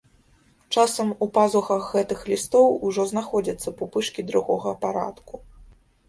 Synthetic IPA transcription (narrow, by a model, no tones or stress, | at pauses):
t͡ʂasɐmupazuxɐxːɛt̪ɨxlʲist̪ɔwuʐɔznaxɔd͡zʲɐt̪sːɐpupɨʂkʲid̪ɾuɣɔɣɐːpaɾa̰t̪ku